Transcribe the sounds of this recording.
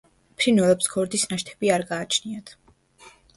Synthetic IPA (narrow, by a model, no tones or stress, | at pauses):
pʰɾinɛlɛpsɡ̥ɔɾd̪isnaʃt̪ʰɛ̥b̥iaɾɡaːt͡ʃʰniat̪ʰ